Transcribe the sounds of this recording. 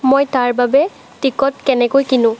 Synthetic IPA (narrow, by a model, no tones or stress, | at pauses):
mojtaɹbabɛ | tikɔtkɛnɛkojkinʊ̃